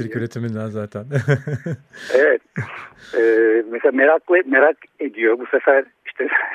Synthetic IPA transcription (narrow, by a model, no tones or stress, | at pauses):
iɾyɾet̪ʰimind̪æzaːt̪ʰæn | evɛt̪ | ɛːmeseameɾaklˠmeɾaked̪ijobusefæɾ | i̥ʃt̪ʰɛ